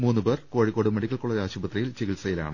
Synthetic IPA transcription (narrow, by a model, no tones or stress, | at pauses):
muːnːɨbe̞ːrko̞ːɻikːoːɽɨmeɽikʲːɐlkuɭːɐðaːɕubɐt̪rijilt͡ɕeɣilsɐjila̰ːɳɨ